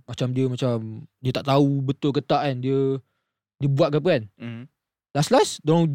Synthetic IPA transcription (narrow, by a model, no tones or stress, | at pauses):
mat͡ʃamdiəmat͡ʃamdiət̪aʔt̪aubət̪ʊlkət̪aʔkandiə | diəbuat̪̚kap̬əkan | laslasdɔŋ